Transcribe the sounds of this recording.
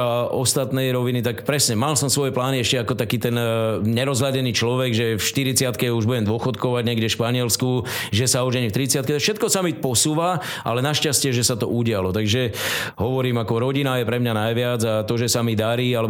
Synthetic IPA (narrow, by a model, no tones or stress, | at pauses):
aɔst̪at̪nɛjɾɔʋinit̪akpɾɛsɲɛmalsɔmsʋɔjɛplaːniɛʃcɛakɔt̪akiːt̪ɛnɲɛɾɔzɦlaɟɛniːt͡ʃlɔʋɛɡʒɛfʃt̪iɾit͡sɪat̪kɛuʒbuɟɛmd̪ʊɔxɔt̪kɔʋaɟɲɛɡɟɛʃpaɲɪɛlskuʒɛsauʒɛɲft̪ɾit͡sɪat̪kɛt̪ɔfʃɛt̪̚kɔsamipɔsuːʋa | ʔa̰lɛnaʃcascɪɛʒɛsat̪ɔ̰ʔuɟɪalɔt̪aɡʒɛɦɔʋɔɾiːmakɔɾɔɟinajɛpɾɛmɲanajʋɪad͡zat̪ɔʒɛsamid̪aɾiːalɛb